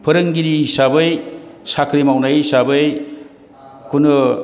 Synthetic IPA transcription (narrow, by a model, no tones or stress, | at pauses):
pʰɯɾɯŋɡiɾiɦisabɯjsakʰɾimawnajisabɯj | kunɯ